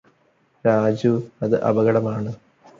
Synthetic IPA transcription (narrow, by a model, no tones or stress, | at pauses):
ɾaːd͡ʑuɐðɨʔɐ̰bɐɣɐɽɐmaːɳɨ